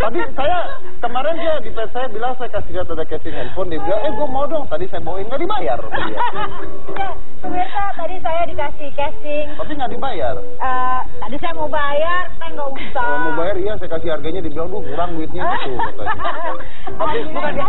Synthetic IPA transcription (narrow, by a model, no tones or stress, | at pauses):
t̪apisaja | kəmaɾɛnd͡ʒadipɛt̪̚sajabilaŋsajakasidat̪adakɛsɪŋɛnfɔndibilaɛɡuamawdɔŋt̪adisajamoɪnŋɡaʔdibajarpaia | ja | səbirt̪at̪adisajadikasihkasɪŋt̪apiŋɡaʔdibajar | ʔə | t̪adisajamobajarpaŋɡausaamobajariasajakasɪharɡaɲadibilaŋduakuɾaŋuwɪt̪̚ɲait̪ukat̪a̰ | t̪apit̪ukaa